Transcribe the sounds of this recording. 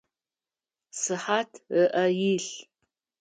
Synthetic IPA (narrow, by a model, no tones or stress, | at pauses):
sɨħatʰəʔɐjiɬ